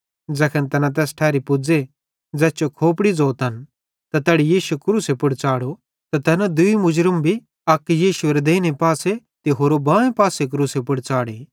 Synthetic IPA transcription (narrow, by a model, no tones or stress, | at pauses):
d͡zɐkʰənt̪ɐnat̪̬ɛːsʈʰɛːɾipʊd͡ze | d͡zɛːst͡ʃokʰoːpɽid͡zoːt̪ɐn | t̪at̪ɛːɽijiːʃukɾuːsepʊɽt͡saːɽo | t̪at̪ɐnad̪ʊimʊd͡ʒɾəmbʱi | ɐkːjiːʃʊeɾed̪eːnepaːse | t̪eɦoːɾobãːẽpaːsek̬ɾuːsepʊɽt͡saːɽeː